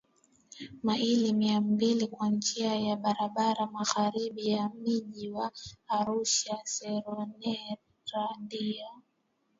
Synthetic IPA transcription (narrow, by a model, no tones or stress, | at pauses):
mailimiambilikwand͡ʒiajaɓaɾaɓaɾamaɣaɾiɓijamiʄiwaːɾuʃasɛɾɔnɛ | ɾandia